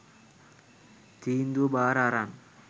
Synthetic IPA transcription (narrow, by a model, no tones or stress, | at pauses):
t̪iːnd̪ubaːɾaɾan